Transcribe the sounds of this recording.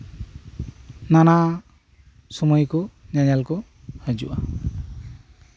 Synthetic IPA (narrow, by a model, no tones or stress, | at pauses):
nana | sɔmɔjkuɲaɲalkɔ | həd͡ʒṵʔa